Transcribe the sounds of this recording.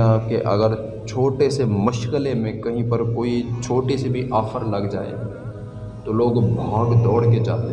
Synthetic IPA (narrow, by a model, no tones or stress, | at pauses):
aːp̚keʔɐ̰ɡəɾ | t͡ʃʰoːʈesemʊʃkəlemẽkɐɦĩpɐɾkoːit͡ʃʰoːʈesebʱiʔaːfəɾlɐɡd͡ʒa̰ːḛ | t̪oloːɡbʱaːɡd̪ɔːɽked͡ʒa̰ːt̪e